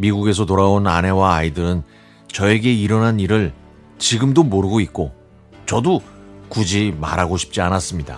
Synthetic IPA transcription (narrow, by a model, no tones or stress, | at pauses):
miɡuɡe̞s̬ʰʌt̬oɾaonane̞waːidɯɾɯn | t͡ɕʌe̞ɡe̞iɾʌnaniɾɯɭ | t͡ɕiɡɯmdomoɾɯɡoit̚k͈o | t͡ɕʌdokud͡ʑima̰ɾɦaɡoɕʰi̥p̚t͡ɕ͈ianas͈ɯmɲida̰